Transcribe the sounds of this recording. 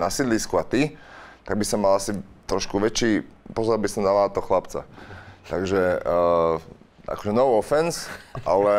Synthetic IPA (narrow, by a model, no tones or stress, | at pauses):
nasid̪liːskuat̪it̪aɡ̚bisɔmːalasit̪ɾɔʃkuʋɛt͡ʃiːpɔzɔɾabisɔmd̪alat̪ɔɔxlapt͡sa̰t̪aɡʒɛ | ʔa̰kɔ̥ʒɛnɔʊɔfɛnsʔa̰lɛ